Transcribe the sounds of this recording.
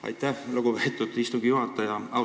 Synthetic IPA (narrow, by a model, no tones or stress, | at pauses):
ɑ̰jt̪ːæhloɡupeet̪ːˑud̪ist̪uɡ̥ijuɦɑt̪ˑːɑjɑɑ